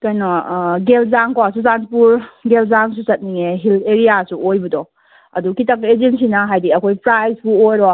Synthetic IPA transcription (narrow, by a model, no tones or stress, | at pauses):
kajnɔɡelzaŋkawas̬uzanpuɾɡelzaŋsusɐt̚niŋeɦilʰeɾijasuʔojbɐdɔ | ɐ̰dukitakezensinɐɦajdiɐkʰojpɾajzbuojɾɔ